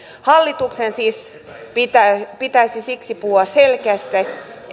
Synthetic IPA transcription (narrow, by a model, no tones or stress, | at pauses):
hɑlːit̪uksensiːs | pit̪æpit̪æisisiksipuhuɑsselkeæst̪æ